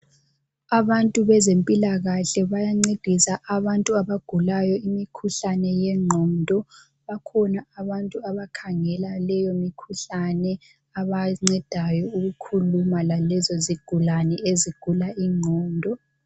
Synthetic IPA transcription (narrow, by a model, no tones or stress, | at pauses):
aβantʼuβɛzempʼilaɣaɬɛβajaŋ͡ǀed̥ʱisaʔaβantʼuaβaɡ̥ʱulajɔimikʰuɬanɛjɛŋ͡ǃʱɔndʱɔ | βakʰɔnaaβantʼuaβakʰaŋɛlalɛjomikʰuɬanɛ | aβaŋ͡ǀɛd̥ʱajɔuɣukʰulumalalɛzɔziɡ̥ʱulanɛʔeziɡ̥ʱulaʔiŋ͡ǃʱɔːndʱɔ